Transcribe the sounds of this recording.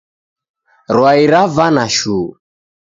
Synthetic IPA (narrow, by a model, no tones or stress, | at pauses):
ɾwaiɾavanaʃuː